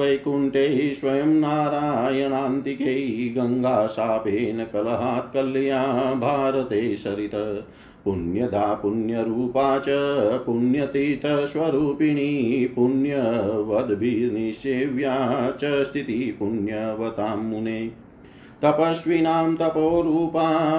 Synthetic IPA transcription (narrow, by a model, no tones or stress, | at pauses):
ɐjkuɳʈeʃʋɐjɐmnaːɾaːjɐnaːnt̪ikeɡɐŋɡaːsaːpeːnɐkɐlɐɦaːt̪̚kɐlːijaːbʱaːɾɐt̪eːʃɐɾit̪ɐ | punjɐd̪ʱaːpunjɐɾuːpaːt͡ʃɐpunjɐt̪it̪ɐʃʋɐɾuːpiɳipuɳjɐʋɐd̪bʱiniʃeːʋjaːt͡ʃɐst̪ʰit̪ipunjɐʋɐt̪aːmːuneː | t̪ɐpɐʃʋinaːmt̪ɐpoːɾuːpaː